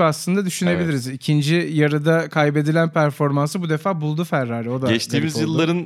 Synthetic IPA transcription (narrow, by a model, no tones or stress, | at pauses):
aslˠɯnd̪ad̪yʃyne̞bilʲiɾizicʰind͡ʒijaɾɯd̪akʰajbe̞d̪ilʲænpʰæɾfo̞ɾmansɯbud̪e̞faːbulˠd̪ufæɾːaːɾɛo̞d̪aɛʃt̪ʰiːmizjɯlˠːaɾɯn